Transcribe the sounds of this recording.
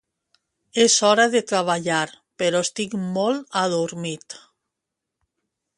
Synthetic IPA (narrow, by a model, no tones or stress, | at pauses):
esɔɾaðet̪ɾaβ̞aʎaɾ | peɾɔst̪ikmɔlaðuɾmit̪